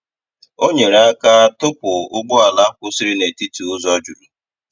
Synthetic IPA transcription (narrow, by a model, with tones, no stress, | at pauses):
o˦ɲe˨ɾe˨a˦ka˦tʊ˦pʊ˨ʊ˦ɡ͡bʊ˦a˨la˦kʊ˦si˦ɾi˦ne˨ti˦tu˨ʊ˦zɔ˦d͡ʒu˨ɾi˨